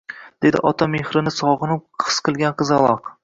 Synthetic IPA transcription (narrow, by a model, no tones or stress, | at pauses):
d̪̥e̞d̪ɪ̰ʔɒt̪ʰamehɾɪnɪsɒʁɨnɪqʰɨ̥sqʰɨlˠɡʲanqɨzɑlˠɒq